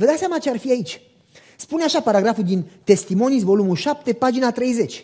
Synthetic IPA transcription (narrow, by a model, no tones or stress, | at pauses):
vəd̪aseamat͡ʃearfiait͡ʃʲ | spuneaʃapaɾaɡɾafuld̪int̪e̞st̪imo̞nisvo̞lumulʃap̚t̪e̞pad͡ʒinat̪ɾe̞jze̞t͡ʃʲ